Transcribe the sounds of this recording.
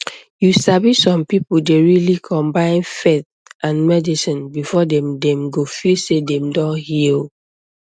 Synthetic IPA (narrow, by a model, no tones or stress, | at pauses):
jusabisɔ̃mpipudeɹilikʰɔ̃mbãɪ̃nfeθ | ʔãnmɛdisĩnbifɔdɛ̃mdɛ̃mɡofisedɛ̃mdɔ̃nhil